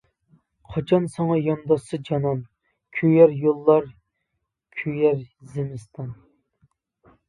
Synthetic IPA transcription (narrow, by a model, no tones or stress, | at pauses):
qʰɑt͡ʃʰɑnsɑŋɑjɑnd̪ɑsɨd͡ʒɑnɑn | kʲʰøjɛɾjolˠːɑɾ | kʲʰyjæɾzemɨst̪ʰɑn